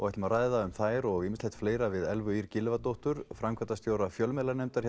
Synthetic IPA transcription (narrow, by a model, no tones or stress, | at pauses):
ɔɣɛjt̪ɪmaraːjðaʏmθaːjɾɔɣɪmɪstlejt̪fleːjɾavɪðɛlvʏiɾcɪlvat̪owht̪ʏɾ̥fɾamkʰvɛt̪ast̪joːwɾafjœlmɛlaɾnɛmt̪aɾ̥